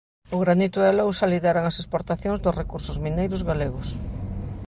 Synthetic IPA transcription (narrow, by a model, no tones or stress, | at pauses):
ʊɣɾanit̪ʊðalowsɐliðeɾaŋasespoɾt̪aθjoŋzd̪ʊsrekuɾsʊzminejɾʊzɣaleɣʊs